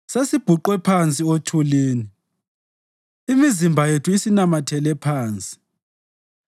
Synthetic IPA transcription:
sesib̥ʱuǃwɛpʰant͡sʼiotʰuliːni | imizimbʱajetʰuisinamatʰɛlɛpʰaːnt͡sʼi̥

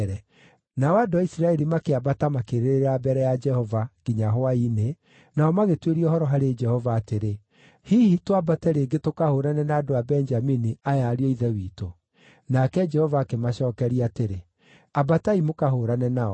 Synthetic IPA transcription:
ɾɛ | naɔadoaisiɾaɛɾimakeabatamakeɾeɾeɾabɛɾɛjad͡ʒɛhɔvaɡ̥iɲaɦoaine | naɔmaɣetweɾiɔhɔɾɔɦaɾed͡ʒɛhɔvaːteɾe | hiːhitoabatɛɾeɡetokahoːɾanɛnaːdoabɛnd͡ʒaminiajaɾiɔiðɛwiːto | nakɛd͡ʒɛhɔvaːkemaʃɔːkɛɾiateɾe | abataimokaɦoːɾanɛnaɔ

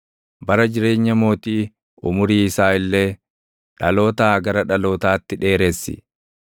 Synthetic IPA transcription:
bɐɾɐd͡ʒɪɾe̞ːɲːɐmo̞ːt̪iː | ʊmʊɾiːɪsaːɪlːeː | ᶑɐlo̞ːt̪aːɡɐɾɐᶑɐlo̞ːt̪aːt̪ːɪᶑe̞ːɾesːɪ̰

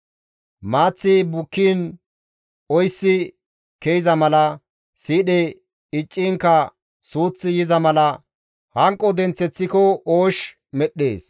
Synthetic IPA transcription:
maːt͡sːɪbʊkːiːn | ɔjsːɪ | kejɪzɐmɐlɐ | siːɗɛ | ɪt͡ʃʼːɪŋkːɐ | suːt͡sːɪjɪzɐmɐlɐ | hɐŋkʼːɔd̪ɛnt͡sːɛt͡sːɪkɔoːʃ | mɛɗːḛːs

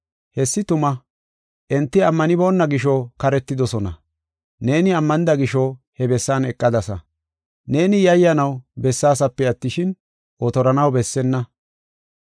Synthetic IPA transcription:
hɛsːɪt̪ʊmɐ | ʔɛnt̪ːɪɐmːɐnɪbo̞ːnːɐɡɪʃ̬ɔkɐɾɛt̪ːɪd̪ɔsɔnɐ̰ | ne̞ːnɪɐmːɐnɪd̪ɐɡɪʃɔ | hɛbɛsːaːnɛkʼːɐd̪ɐsɐ | ne̞ːnɪjɐjːɐnɐwbɛsːaːsɐpːɛɐt̪ːɪʃɪn | ʔɔt̪ɔɾɐnɐwbɛsːɛnːɐ

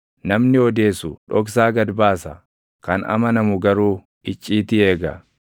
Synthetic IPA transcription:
nɐmnɪɔd̪e̞ːsʊᶑɔks̬aːɡɐd̪baːsɐ | kɐnɐ̰mɐnɐmʊɡɐɾuː | ʔɪt͡ʃʼːiːt̪ɪe̞ːɡɐ̰

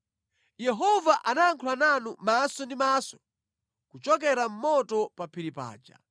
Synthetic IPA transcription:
jɛɦɔvaʔanaːŋkʰulananumasɔndimasɔ̥ | kut͡ʃɔk̬ɛɾam̩mɔtɔpapʰiɾipa̰ːd͡ʒa̰

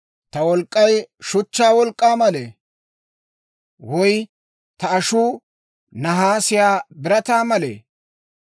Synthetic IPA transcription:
t̪ɐwɔlkʼːɐjʃʊt͡ʃːaːwɔlkʼːaːmɐleː | wɔj | t̪ɐɐʃuː | nɐɦaːsɪjaːbɪɾɐt̪aːmɐlḛː

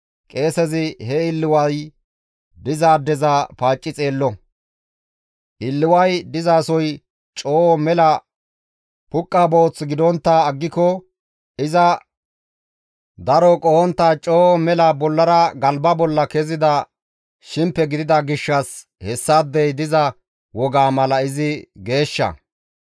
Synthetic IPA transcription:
kʼe̞ːsɛzɪɦɛɪlːɪwɐj | d̪ɪzaːd̪ɛzapaːt͡ʃʼːɪt͡sʼe̞ːlːɔ | ʔɪlːɪwɐjd̪ɪzaːsɔj | t͡ʃʼoːmɛlɐ | pʊkʼːaboːt͡sːɡɪd̪ɔnt̪ːaːɡːɪkɔ | ɪzɐ | d̪ɐɾɔkʼɔhɔnt̪ːaːt͡ʃʼoːmɛlɐbɔlːɐɾɐɡɐlbɐbɔlːɐkɛzɪd̪ɐ | ʃɪmpːɛɡɪd̪ɪd̪ɐɡɪʃːɐs | hɛsːad̪ːɛjd̪ɪzɐ | wɔɡaːmɐlɐɪzɪɡe̞ːʃːɐ̰

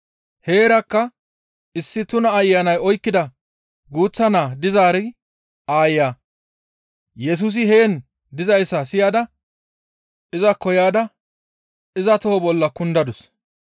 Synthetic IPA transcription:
he̞ːɾɐkːɐ | ɪsːɪt̪ʊnɐːjːɐnɐjɔjkːɪd̪ɐ | ɡuːt͡sːɐnaːd̪ɪzaːɾɛ | ʔaːjjaː | jɛs̬uːs̬ɪheːn | d̪ɪzɐjsːɐsɪjaːd̪ɐ | ɪzɐkɔjaːd̪ɐ | ɪzɐt̪ɔhɔbɔlːɐkʊnd̪ɐd̪ʊs

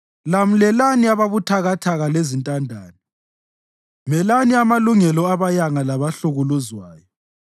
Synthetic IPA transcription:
lam̩lɛlaniaβaβutʰaɣatʰaɣalezintʼandʱaːni | mɛlaniamaluŋɛlɔaβajaŋalaβaɬuɣuluzwaːjɔ

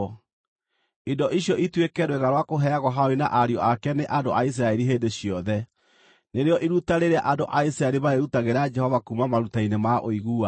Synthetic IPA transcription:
idɔʔiɕjɔʔitwekɛɾweɣaɾwakoɦɛaɣwɔɦaoɾina̰ʔaɾjɔʔakɛneʔandoʔais̬ɾaɛɾiɦeːndeɕijɔðɛ | neɾeɔʔiɾutaɾeɾeaʔandoʔaisɾaɛɾimaeɾutaɣeɾad͡ʒɛhɔvakumamaɾutainemaʔoiɣua

